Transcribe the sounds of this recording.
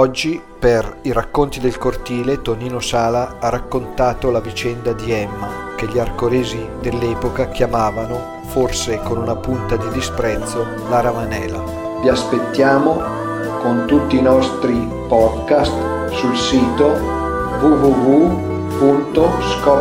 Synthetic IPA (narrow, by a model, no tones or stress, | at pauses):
ɔd͡ʒːi | periɾakːont̪id̪elkort̪iːlet̪oniːnosaːlaarːakːont̪aːt̪olavit͡ʃɛnd̪ad̪iɛmːa | k̟eʎiarkolɛːzi | d̪elːɛːpokak̟jamaːvano | forsekonunapunt̪ad̪id̪ispɾɛt̪sːo | laɾamanɛːla | viaspet̪ːjaːmo | kont̪ut̪ːiːnɔst̪ɾi | pɔd̪kast̪ | sulsiːt̪o | vuvuvu | punt̪oskɔ